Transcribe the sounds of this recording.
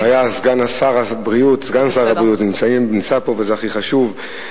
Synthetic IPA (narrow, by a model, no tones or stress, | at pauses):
ajazɡanasaʁabʁiutzɡanasaʁabʁijutnimt͡saimbent͡sapo̞vezeaχiχaʃuv